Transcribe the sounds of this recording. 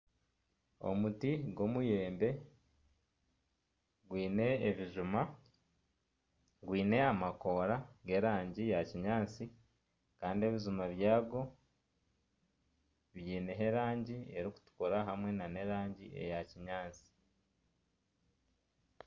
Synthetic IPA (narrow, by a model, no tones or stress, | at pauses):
o̞̰mutiɡo̞muje̞ːmbe̞ | ɡwiːne̞ːβiʒuma | ɡwiːne̞amako̞ɾaɡe̞ɾaːɲɟijaciɲaːnt͡si | kaːndie̞βizumaβjaːɡo̞ | βjiːne̞ɦe̞ɾaːɲɟie̞ɾiku̥tu̥koɾaɦamŋe̞nane̞ɾaːɲɟiʔe̞̰jaciɲaːnt͡si̥